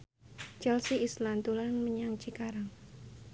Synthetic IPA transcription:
t͡ʃɛlsiislant̪ulanməɲaŋt͡ʃikaɾaŋ

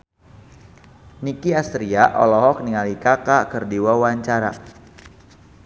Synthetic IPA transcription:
nikiast̪ɾiaʔɔ̰lɔɦɔk̚niŋalikakakərdiwawaɲt͡ʃaɾa̰

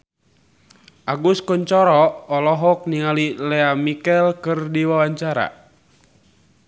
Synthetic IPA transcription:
ʔaɡuskɔɲt͡ʃɔɾɔʔɔlɔɦɔk̚niŋalilɛamikɛlkɨrdiwawaɲt͡ʃaɾa̰

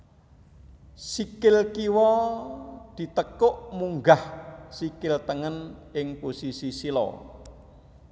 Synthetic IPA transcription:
sikɪlkiwɔ | d̪̥i̤t̪əkʊʔmuŋɡahsikɪlt̪əŋənʔɪŋposisisilɔ̰

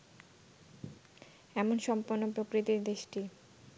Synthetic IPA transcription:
ɛmonʃɔmpoɾnːopɾokɾit̪iɾd̪eʃʈi

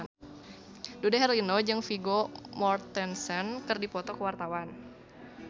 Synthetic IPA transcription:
dudaɦɛrlinɔd͡ʒɨŋfiɡomɔrt̪ɛnsɛnkɨrdipɔt̪ɔkəwart̪awan

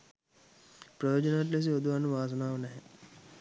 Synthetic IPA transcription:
pɾɐjoːd͡ʒonaʈ̬les̬iod̪uanuʋaːs̬ɐnaːʋənɛɦɛ

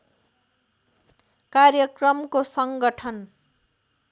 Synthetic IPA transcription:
karjʌkrʌmkosʌŋɡʌʈʰʌn

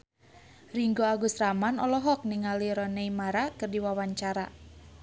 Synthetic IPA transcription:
riŋɡoaɡusramanɔlɔɦɔk̚niŋaliɾɔneimaɾakɨrdiwawaɲt͡ʃaɾa̰

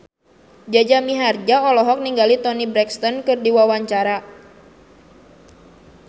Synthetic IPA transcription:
d͡ʒad͡ʒamiɦard͡ʒaɔlɔɦɔk̚niŋɡalit̪ɔnibɾɛkst̪ɔnkɨrdiwawaɲt͡ʃaɾa

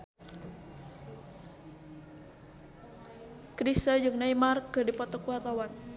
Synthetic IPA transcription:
kɾisəd͡ʒɨŋnaimarkːɨrdipɔt̪ɔkuat̪awan

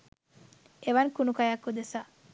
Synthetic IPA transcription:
eʋankunukajakːud̪esa

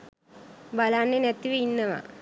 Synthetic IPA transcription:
bɐlaːnːenet̪ːiʋeinːɐʋɐ̰

